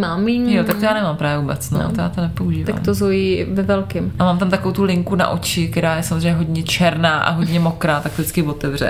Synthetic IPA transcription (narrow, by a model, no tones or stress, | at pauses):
maːmːiɲjot̪akt̪ojaːnɛmaːmpɾaːvjɛvuːbɛt͡sno̰t̪oja̰ːt̪onɛpouʒiːvt̪a̰kmt̪ozojivɛvɛlkɪmamaːmt̪amt̪akovowt̪ulɪŋkuna̰ʔo̞t͡ʃɪkt̪ɛɾaːjɛsamozr̝ejɲɛɦo̞dɲɛt͡ʃɛɾnaːʔa̰ɦo̞dɲɛmo̞kɾaːt̪ak̚t̪dɪt͡skɪvot̪ɛvrɛ̰